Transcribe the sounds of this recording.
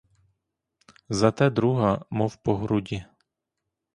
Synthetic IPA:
zat̪ɛːd̪ɾuɦamɔfpɔɦɾuɟɛ

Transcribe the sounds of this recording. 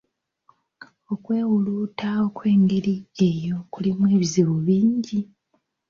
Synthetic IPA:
o̞kwe̞ːwuluːtaokwe̞ːŋɡeɾiejo̞kulimwe̞ːβiziβuβiːɲɟi

